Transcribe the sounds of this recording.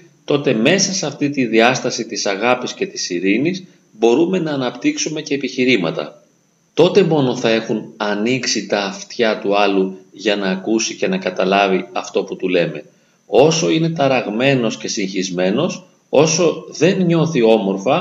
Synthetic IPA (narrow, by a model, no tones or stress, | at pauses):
t̪o̞t̪e̞me̞sɐsɐft̪it̪iðiɐst̪ɐsit̪isɐɣɐpisce̞t̪isiɾinis | bo̞ɾume̞nɐːnɐpt̪iksume̞ce̞ːpiçiɾimɐ̰t̪ɐ̰ | t̪o̞t̪e̞mo̞no̞θɐe̞xunɐniksit̪ɐːft̪çɐt̪uɐluʝɐnɐːkusice̞nɐkɐt̪ɐlɐviɐft̪o̞put̪ule̞me̞ | o̞so̞ine̞t̪ɐɾɐɣme̞no̞sce̞siŋçizme̞no̞s | o̞so̞ðe̞nɲo̞θio̞mo̞ɾfɐ